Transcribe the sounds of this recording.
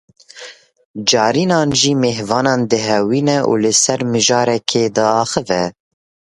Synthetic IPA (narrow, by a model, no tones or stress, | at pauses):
d͡ʒɑːɾiːnɑːnʒiːmeːhvɑːnɑːnd̪ɨɦɛwiːnɛʔṵːlɨsɛɾmɨʒɑːɾɛkʰeːd̪ɑːxɨvɛ